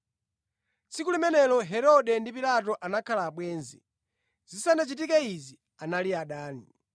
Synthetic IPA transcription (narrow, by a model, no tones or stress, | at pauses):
t͡sʰikulimɛnɛlɔɦɛɾɔɗɛndipilat̬ɔʔanakʰalaːɓwɛːnzḭ | zisanat͡ʃit̬ikɛizi | analiaɗaːni